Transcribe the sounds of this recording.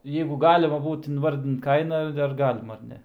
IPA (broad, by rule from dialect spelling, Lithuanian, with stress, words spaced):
ˈjɛɪɡʊ ˈɡɑːlʲɪmɐ ˈbuːt ɪnˈʋɐrʲdʲɪnt ˈkɐɪnɐ ɐr ˈɡɑːlʲɪmɐ ɐr ˈnʲɛ